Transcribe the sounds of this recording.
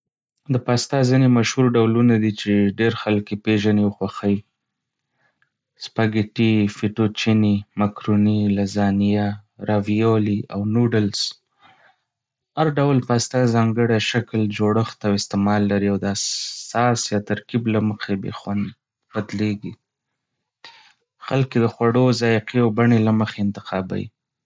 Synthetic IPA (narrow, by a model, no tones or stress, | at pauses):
d̪əpɑst̪ɑzinemaʃhuɾɖawlunad̪it͡ʃeɖeɾxalkepeʒaniwəxwaxawi | spaɡɪʈifiʈot͡ʃinimakɾunilazɑnijaɾavijoliawnuɖəls | haɾɖawlpəast̪ɑzɑŋɡəɽaʃakld͡ʒoɽəxt̪awɪst̪emɑlːaɾiawd̪əasɑsjɑt̪aɾkiblaməxebḛxwand̪ | bad̪leɡi | xalked̪əxwaɽozɑjɪqiawbaɳelaməxeɪnt̪ɪ̥qʰɑba̰jḭ